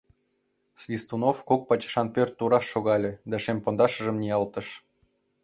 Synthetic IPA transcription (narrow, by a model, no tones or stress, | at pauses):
svʲist̪unofkok̚pɑt͡ɕə̥ʃɑnpʲørt̪ːuɾɑʃːoɣɑlʲĕd̪ɑʃemʲpond̪ɑʃə̆ʒə̆mnʲijɑlˠt̪ə̆ʃ